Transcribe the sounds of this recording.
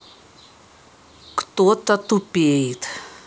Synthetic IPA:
kt̪ot̪at̪upejt̪

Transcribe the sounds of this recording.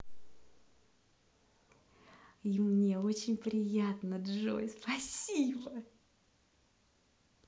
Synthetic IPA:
imnʲeo̞t͡ɕɪnʲpɾʲɪjat̪nədʐo̰jspɐsʲibə

